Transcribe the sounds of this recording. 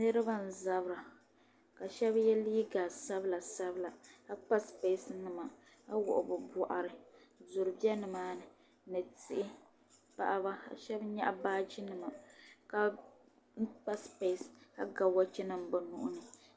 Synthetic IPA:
nɨ˦ɾɨ˦ba˦n̩˨za˦bɾa˨ | ka˨ʃɛ˦bjɛ˦liː˦ɡa˨sa˦bla˨sa˦bɨ˦la˨ka˦k͡pa˦spe˦snɨ˨ma˨ | a˦wʊ̰˨ʔʊ˨bɨ˨bɔ˨ʔa̰˨ɾɨ˨ | zʊ˨ɾɨ˨bɛ˦nɨ˨maː˦nɨ˨ | nɨ˨ti˦ʔɪ˦ | pa̰˦ʔa˦ba˦ka̰˨ʃɛ˦bɲa̰˦ʔa˦baː˦d͡ʒi˦nɨ˨ma˨ka˦ | n̩˦k͡pa˦spe˦˨ska̰˦ɡa˨wa˦t͡ʃɛ˦nɨ˦m̩˨bɨ˨nʊ̰˨ʔʊ˦nɨ˨

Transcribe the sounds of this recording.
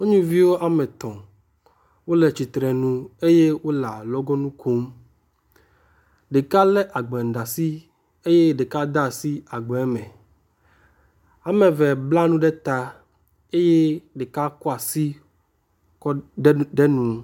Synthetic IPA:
o˦ɲũ˦vi˦wo˦ʔa˨mɛ̃˨t̪ɔ̃˨ | wo˦le˨t͡ɕi˨t̪ɾɛ˨nũ˦e˦je˦wo˦la˨lɔ˦ɡɔ˦nũ˦kʰo˦m | ɖe˨ka˦lɛ˦ʔa˨ɡ͡bɛ˨n̩˨ɖa˨si˦ | e˦je˦ɖe˨ka˦d̪a˦˨si˦a˨ɡ͡bɛ˨ɛ˦mɛ̃˨ | a˨mɛ̃˨vɛ˨bla˦nũ˦ɖɛ˦t̪a˦ | e˦je˦ɖe˨ka˦kɔ˦a˨si˦ | kɔ˦ɖɛ˦nũ˦

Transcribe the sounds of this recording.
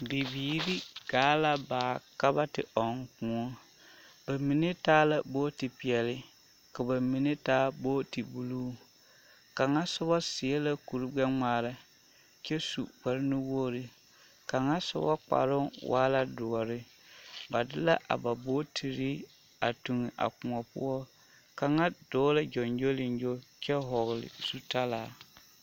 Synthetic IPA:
bi˨biː˨ɾi˦ɡ̥aː˨˦la˦baː˨ka˦ba˦tɪ̰˨ɔ˨ŋ˦kũ˨ɔ˦ | ba˨mi˨ne˦taː˦la˦boː˦ti˨pi˨ɛ˨lɪ˦ | ka˨ba˨mi˨ne˦taː˦boː˦ti˨bu˨luː˦ | ka˨ŋa˦sʊ˦bɔ˦sɪ˨e˦la˦ku˨ɾɨ˦ɡ͡bɛ˦ŋ͡maː˨ɾa˦ | t͡ʃɛ˦su˨k͡pɛ˨ɾɪ˦nɪ˦woː˦ɾɪ˨ | ka˨ŋa˦sʊ̰˦ba˦k͡pa̰˨ɾʊ˦wʔa̰ː˦la˦dʊ˨ɔ˨ɾɪ˦ | ba˨dɪ˦la˦ʔa̰˨ba˨bo˦tʰi˨ɾi˦ | a˨tu˨ŋɪ˨ʔa̰˨k͡pʊ˨ŋɔ˨pʊ̰˦ɔ˦ | ka˨ŋa˦doː˦la˦d͡ʒɔ˨nd͡ʒo˦lɪ˨nd͡ʒo˦t͡ʃɛ˦ɦɔ˨ɣlɪ̰˨su˦ta˦laː˨

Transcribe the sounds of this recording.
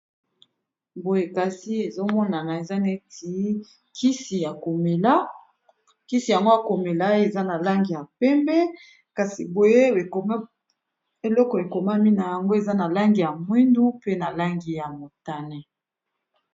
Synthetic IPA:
bo˨je˨ka˨si˦e˨zo˦mɔ˦na˨na˨e˨za˦ne˦ti˨˦ | kʰi˦si˨ja˨ko˨me˨la˦ | ki˦si˨ja˨ŋɡo˦a˨ko˨me˨la˦e˨za˦na˨la˦ŋɡi˨ja˨pɛ˦mbɛ˦ | ka˨si˨bo˨je˦˨˦ | e˨lɔ˦kɔ˨e˨ko˨ma˦mi˦na˨ja˨ŋɡo˦e˨za˦na˨la˦ŋɡi˨ja˨mwi˦ndu˦pe˦na˨la˦ŋɡi˨ja˨mo˨ta˨nɛ˦

